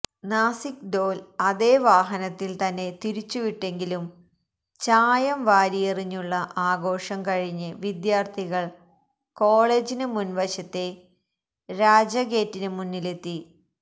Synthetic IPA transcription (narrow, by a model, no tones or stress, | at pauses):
naːsikɖoːlɐðe̞ːʋaːɦɐnɐt̪ːilt̪ɐnːe̞t̪iɾit͡ɕːuʋiʈːe̞ŋɡilum | t͡ɕaːjɐmʋaːɾijɐriɲːuɭːɐʔaːɡo̞ːʂɐmkɐɻiɲːɨʋid̪jaːrt̪ʰiɣɐɭ | ko̞ːɭe̞ːd͡ʑinɨmunʋɐɕɐt̪ːe̞ | ɾaːd͡ʑɐɣe̞ːtːinɨmunːile̞t̪ːi